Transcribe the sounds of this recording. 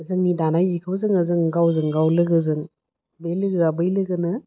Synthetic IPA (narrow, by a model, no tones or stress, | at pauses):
əzɯŋnidanajzikʰɯwzɯŋɐzɯŋɡawzɯŋɡawlɯɡɯzɯŋ | bejlɯɡɯɡabɯjlɯɡɯnɯ